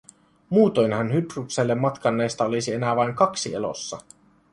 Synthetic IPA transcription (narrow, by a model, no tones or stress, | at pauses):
muːt̪o̞jnhɑnhyprukselːemːɑt̪kɑnːe̞ːst̪ɑolisie̞næʋɑjŋkɑksiḛlo̰sːɑ